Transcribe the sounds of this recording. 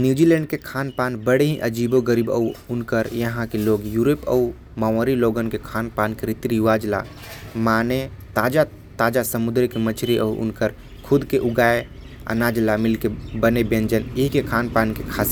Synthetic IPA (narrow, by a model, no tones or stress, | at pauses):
njud͡ʒilɛɳɖ̚kekʰanpanbəɽeɦĩʔəd͡ʒiboɡəɾibə̰uunkəɾjəɦãkeloɡjuɾepə̰u | maʋəɾiloɡənkekʰanpankɾit̪ɾijuʋad͡ʒla̰ | mane | t̪aːd͡ʒa | t̪aːd͡ʒasəmud̪ɾkemət͡ʃʰɾiʔə̰uʔṵnkəɾ | kʰʊd̪keʔuɡae | ə̰nad͡ʒlamilkebənebẽnd͡ʒəniɦkekʰanpankekʰas